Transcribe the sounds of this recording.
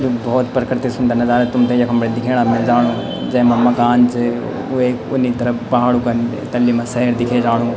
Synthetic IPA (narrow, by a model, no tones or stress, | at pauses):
d͡ʒoːbɔːt̪pɾəkɾɪt̪ɪsʊ̃nd̪anɐzaːɾət̪ʊmt̪ʰejɐkʰɐmbɾed̪ɪkʰeːɽ̃amɪld͡ʒaːɽõː | d͡ʒɐ̃mɐmːaɡaːnt͡ʃe | oeːkʊ̰nːit̪ɐɾəpɐɦaːɽũːkɐn | t̪ɐlːiːmãsɐɦɾd̪ɪkʰed͡ʒaːɽ̃ũː